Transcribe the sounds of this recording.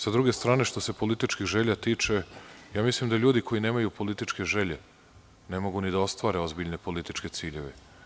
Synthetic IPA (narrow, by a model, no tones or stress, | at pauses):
sad̪ɾuɡe̞st̪ɾaːne̞ʃt̪o̞se̞po̞lit̪it͡ʃkixʒe̞ʎat̪iːt͡ʃe̞jaːmislimd̪aʎuːd̪ikʰo̞jine̞ːmajupo̞lit̪it͡ʃke̞ʒe̞ʎe̞ | ne̞mo̞ɡunid̪ao̞st̪ʋaːɾe̞o̞zbiʎne̞po̞lit̪it͡ʃke̞t̪siːʎe̞ʋḛ